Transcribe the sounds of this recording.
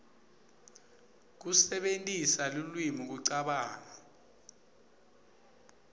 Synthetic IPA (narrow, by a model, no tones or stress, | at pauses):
k̬usɛɓentʼisalulwimik̬uǀaɓaːna